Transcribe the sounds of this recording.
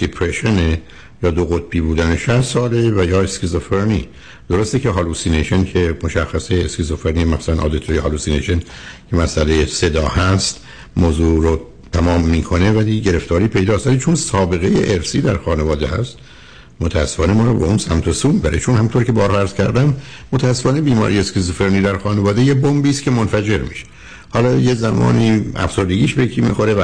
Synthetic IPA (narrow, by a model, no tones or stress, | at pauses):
d̪̥epʰɾeʃene | jɒːd̪oɣot̪̚biːbuːd̪æneʃæʃsɒːlevæjɒːeskizofeɾni | d̪̥oɾost̪ece̞ɦɑluːsineʃencʰe̞moʃæxːæseːskizofeɾnimæfsænʔɒ̰ːd̪et̪ʰoɾjehɑːluːsineʃencʰe̞mæsælejese̞d̪ɒːhæst̪ | moːzuːɾo | t̪ʰæmɒːmːiːkʰo̞ne̞væliɟe̞ɾe̞ft̪ɒːɾiːpʰe̞jd̪ɒːst̪vælit͡ʃʰonsɒːbe̞ɣe̞jḛʔeɾsiːd̪æɾxɒːnevɒːd̪ehæ̰st̪ | mot̪ʰææsːe̥fɒːne̞mɒːɾɔbeunsæmt̪ʰosuːmibæɾet͡ʃʰonhæmunt̪ʰoɾicʰe̞bɒːɾhɒæɾz̥cʰæɾd̪æmːot̪ʰææsːe̞fɒːne̞biːmɒ̰ːɾiæst̪kʰʲes̬ofeɾniːd̪æɾxɒːnevɒːd̪ejebombiːskʰʲe̞monfæd͡ʒe̞ɾmḭʃe̥ | hɒːlɒːjezæmɒ̰ːniːæ̰fz̥o̞ɾd̪eɡʲiːʃbejekʰiːmḭxoɾeæ